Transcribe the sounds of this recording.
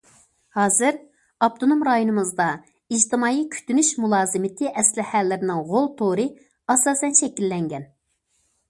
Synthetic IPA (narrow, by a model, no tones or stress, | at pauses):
hɑːzɨɾ | ɑp̚t̪ʰonomɾɑjonɨmɨzd̪ɑ | id͡ʒt̪ɨmɑːikʲʰy̥t̪ynyʃmulˠɑːzɨmɪt̪ʰɪʔɛslɪhælːɪɾɪnɪŋʁolˠt̪ʰoɾɨ | ɑsɑːsɛnʃɛkʲilːɛŋɡʲɛn